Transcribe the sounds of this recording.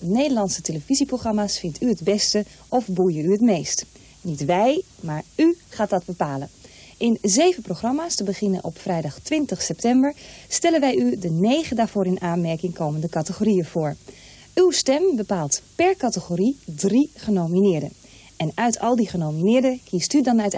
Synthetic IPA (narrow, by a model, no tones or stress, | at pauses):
nejdəlɑnsəteləv̥iziprowχrɑmaːsfɪntʰyədbɛstə | ʔɔfbujəyətmejst | nitʋɛjmaːɹyχaːt̚dɑd̚bəpaːlə | ʔɪnzejvənprowxrɑmaːstəbəχɪnə̰nʔɔpfrɛjdɑχtʋɪntəχsɛp̚tɛmbəɹstɛlənʋɛjydənejχəndaːɹv̥ʊːɾɪnaːnmɛɹkɪŋkowməndəkɑtəχorijəv̥ʊːɹ | ywstɛmbəpaːlˠtpɛɹkɑtəχoridriχənowminɪːɹdə̰ | ɛnœɥtʰɑlˠdiχənowminɪːɹdəkʰistydɑnœt